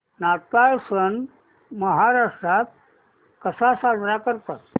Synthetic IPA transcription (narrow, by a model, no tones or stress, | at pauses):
nat̪ajsən | məɦaɾaʂʈɾat̪̚ | kəsasad̪ɾakəɾt̪at̪